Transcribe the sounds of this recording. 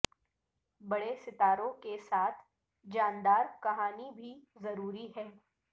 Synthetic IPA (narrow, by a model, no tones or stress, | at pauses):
bɐɽesɪt̪aːɾõkesaːt̪ʰ | d͡ʒaːnd̪aːɾkɐɦaːnibʱizɐɾuːɾiɦɛː